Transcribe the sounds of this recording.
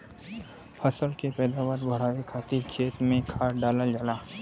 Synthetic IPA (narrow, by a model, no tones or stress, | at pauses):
pʰəsəlkepɛːd̪aːʋaːɾbʱɐɽ̤aːʋekʰaːt̪ikʰeːt̪mẽkʰaːɖaːləld͡ʒalaː